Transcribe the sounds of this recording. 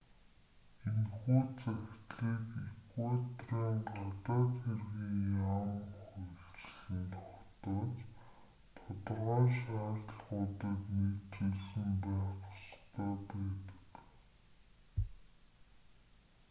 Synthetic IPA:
enxuːt͡sæxkʲt̪ɮiːkikwat̪raːŋɢat̪aːt̪xerɣiːŋjamxujɬt͡ɕɮɘ̆nt̪ʰɔ̥xt̪ɔːt͡ɕ | t̪ʰʊt̪rʁaːʃaːɾ̆ɮɢʊːt̪ə̆kniːt͡suɮsɘ̆mpæːqʊ̥st̪ʰœːpæːt̪ə̥̆k

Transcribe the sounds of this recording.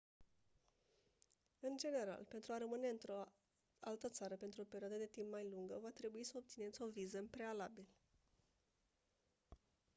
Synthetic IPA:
ɨnd͡ʒe̞ne̞ɾa̰lpe̞nt̪ɾuaɾəmɨne̞ɨnt̪ɾo̞ | a̰lt̪ət̪saɾəpe̞nt̪ɾuope̞ɾioad̪əd̪e̞t̪impmajluŋɡəvat̪ɾe̞buisəop̚t̪sine̞t̪sʲo̞vizəpɾe̞alabil

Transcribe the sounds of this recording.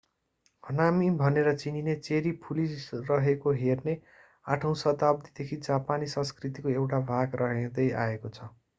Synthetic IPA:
ɦʌnamibʱʌneɾʌt͡sininet͡seɾipʰulisrʌɦekoɦerne | aʈʰʌw̃sʌt̪ab̚d̪id̪ekʰid͡zapanisʌ̃skrit̪ikoewʈabʱaɡrʔʌɦed̪ʌjaekot͡sʰʌ

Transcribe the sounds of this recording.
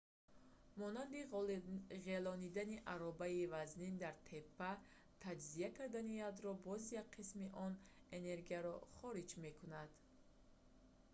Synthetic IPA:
mɔnand̪i | ʁelɔnid̪aniʔaɾɔbaivaznind̪aɾt̪ʰe̞pːa | t̪ʰad͡ʒziakʰaɾd̪anijad̪ɾɔbɔzjak̚qʰismiʔɔne̞ne̞ɾɡiaɾɔχɔɾid͡ʒme̞kʰunad̪̥

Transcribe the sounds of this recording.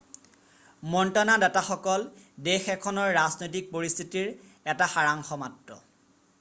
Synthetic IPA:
mɔntanadataxɔkɔl | dexɛkʰɔnɔɹːaznojt̬ik̚poɹist̪ʰitiɹ | ɛtaxaɹaŋxɔmatɹɔ̰

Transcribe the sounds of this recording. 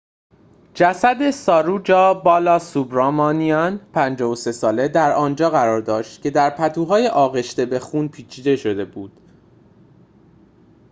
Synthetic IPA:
d͡ʒæsæd̪e̞sɒːɾud͡ʒɒːbɒːlɒːsubɾɒːmɒːniɒnpʰænd͡ʒɒːvose̞sɒːle̞d̪æɾɒːnd͡ʒɒːɣæɾɒːɾd̪ɒːʃt̪cʰe̞d̪æɾpʰæt̪ʰuːɦɒːje̞ʔɒːɣe̞ʃt̪e̞be̞xuːnpʰiːt͡ʃʰiːd̪e̞ʃo̞d̪e̞buːd̪̥

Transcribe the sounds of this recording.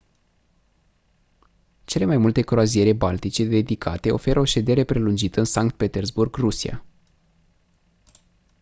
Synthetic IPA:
t͡ʃe̞le̞majmult̪e̞kɾoazie̞ɾe̞balt̪it͡ʃe̞d̪e̞d̪ikʰa̰t̪e̞o̞̰fe̞ɾəo̞ʃe̞d̪e̞ɾe̞pɾe̞lund͡ʒit̪əɨnsaŋkt̪̚pe̞t̪e̞rzburɡrusia̰

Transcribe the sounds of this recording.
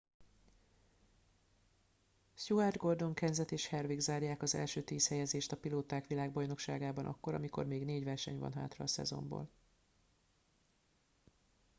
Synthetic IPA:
suard̪ɡo̞rd̪o̞ŋkɛɲzɛt̪eːʃhɛrviɡzaːrjaːkɒzɛ̰lʃøːt̪iːshɛjɛzeːʃt̪ɒpiloːt̪aːkʋilaːɡ̚bɒjno̞kʃa̰ːɡaːbɒnʔɒ̰kːo̞ɾɒ̰miko̞̰rmeːɡn̪eːɟʋɛrʃɛɲvɒ̰nɦa̰ːt̪rɒ̰ːsɛ̰zo̞̰mbo̰ːl

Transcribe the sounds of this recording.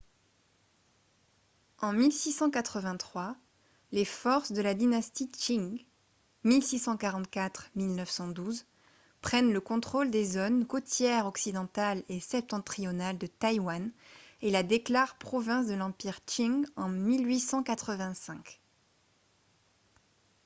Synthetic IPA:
ɑ̃milsisɑ̃kat̪χəvɛ̃t̪χwa | lefɔʁsd̪əlad̪inast̪it͡ʃiŋ | milsisɑ̃kaʁɑ̃t̪kat̪χmilnœfsɑ̃d̪uz | pχɛnləkɔ̃t̪χɔld̪ezɔnkot̪jɛʁɔksid̪ɑ̃t̪alesɛp̚t̪ɑ̃t̪χijɔnald̪ət̪ajwanelad̪eklaʁpχɔvɛ̃s̬d̪əlɑ̃piʁt͡ʃiŋɡɑ̃milɥisɑ̃kat̪χəvɛ̃sɛ̃k

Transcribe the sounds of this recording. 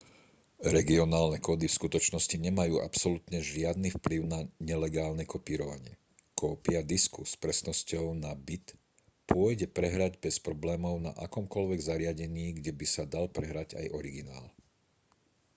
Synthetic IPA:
ɾɛɡiɔnaːlnɛkɔːd̪ifskut̪ɔt͡ʃnɔsciɲɛmajuːʔa̰psɔlut̪ɲɛʒɪad̪nifpliʊnaɲɛlɛɡaːlnɛkɔpiːɾɔʋa̰ɲɪɛ̰ | kɔːpɪad̪iskuspɾɛsnɔscɔʊnabit̪ | pʊɔjɟɛpɾɛɦɾaɟbɛspɾɔblɛːmɔʊna̰ʔakɔmkɔlʋɛɡzaɾɪaɟɛɲiːɡɟɛbisad̪alpɾɛɦɾaɟa̰jʔɔɾiɡina̰ːl

